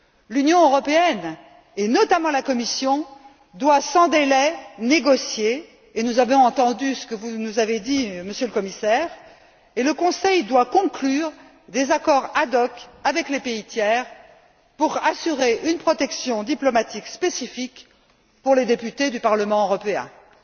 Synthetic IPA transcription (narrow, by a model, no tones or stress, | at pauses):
lynjɔ̃øʁɔpeɛn | enɔt̪amɑ̃lakɔmisjɔ̃ | d̪wasɑ̃d̪elɛneɡɔsjeː | nuzavɔ̃ɑ̃t̪ɑ̃d̪ysə̥kəvunuzaved̪iməsjøləkɔmisɛːʁ | eləkɔ̃sɛjd̪wakɔ̃klyːʁ | d̪ezakɔʁad̪ɔkavɛklepeit̪jɛʁ | puʁasyʁeʔynpχɔt̪ɛksjɔ̃d̪iplɔmat̪ikspesifik | puʁled̪epyt̪ed̪ypaʁləmɑ̃øʁɔpeɛ̰̃